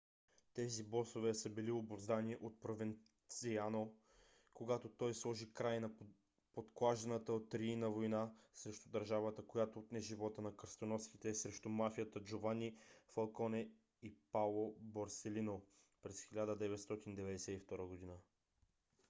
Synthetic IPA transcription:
t̪ɛzibɔsovɛsəbiliobovzd̪aniɛʔot̪̚pɾovɛn | siano | koɡat̪ot̪ɔjslˠɔʒikɾajnɐ | pot̪klˠaʒɛnət̪əot̪ɾiinəvojnasɾɛʃt̪ud̪əɾʒavət̪əkojat̪oːt̪nɛʒivɔt̪ənɐkəɾst̪onɔsit̪ɛsɾɛʃt̪umafijət̪əd͡ʒovanʲifɐlˠkɔnɛ | ipalˠobɐɾsɛlino | pɾɛsxilʲad̪əd̪ɛvɛt̪st̪ɔt̪ind̪ɛvɛd̪ɛsɛift̪ɔɾəɡod̪inə

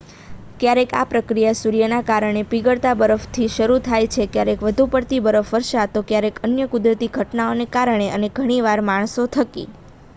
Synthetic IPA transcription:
kjaɾeka̰pɾəkɾijasuɾijənakaɾəɳ̃epiɡəɽt̪abəɾəft̪ʰiʃəɾut̪ʰajt͡ʃʰekjaɾekʋəd̪ʱupəɾt̪ibəɾəfʋəɾʃat̪okjaɾekənjəkʊd̪ɾət̪iɡʱəʈnaonekaɾəɳ̃eʔəneɡʱəɽ̃iʋaɾmaɳ̃sot̪ʰəkḭ

